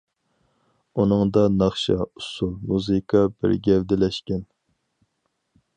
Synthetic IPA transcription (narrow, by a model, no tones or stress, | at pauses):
unɨŋd̪ɑnɑχʃɑ̰usulˠmuzɨkʰɑbɪ̰ɾɡʲɛvd̪ɪlɛʃkʲɛn